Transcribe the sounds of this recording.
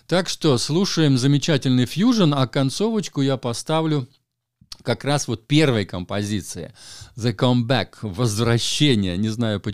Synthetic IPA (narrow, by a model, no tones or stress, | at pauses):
t̪akʂt̪oslˠuʂəjɪmzəmʲɪt͡ɕætʲɪlʲnɨjfjuʐənɐkɐnt̪so̞vət͡ɕkʊjapɐst̪avlʲʊ | kɐkrasvo̞t̪̚pʲe̞rvəjkəmpɐzʲit̪sɨɪ̰zəkombɛkvəzvɾɐɕːenʲɪjənʲɪznajʊpə